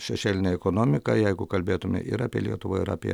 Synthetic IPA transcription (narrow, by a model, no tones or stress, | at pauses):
ʃʲɛʃʲeːlʲɪnʲɛɛkoːnoːmʲɪkɐjɛɪɡʊkɐlʲbʲeːt̪ʊmʲɪ̰ʔɪ̰ɾɑːpʲiɛlʲiɛt̪ʊʋoɪɾɑ̰ːpʲḭɛ̰